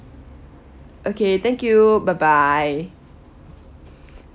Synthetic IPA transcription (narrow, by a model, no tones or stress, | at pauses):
ʔokʰet̪ɛ̃ŋkjubabaj